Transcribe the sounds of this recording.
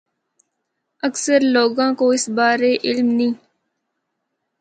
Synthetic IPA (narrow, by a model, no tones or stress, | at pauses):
əksəɾloːɡãːkoːɪsbaːɾeːʔɪlmnĩː